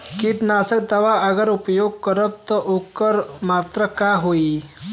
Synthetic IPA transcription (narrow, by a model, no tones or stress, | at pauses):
kiʈnasək̚d̪əʋaəɡəɾupjoɡ̚kəɾəb̚t̪əʔokːəɾmat̪ɾəkaɦoi